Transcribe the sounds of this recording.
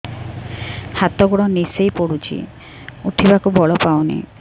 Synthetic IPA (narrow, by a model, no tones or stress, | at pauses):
hat̪ɔɡuɽɔnisejpoɽut͡ʃʰḭ | uʈʰibakubʱɔɭɔpawnḭ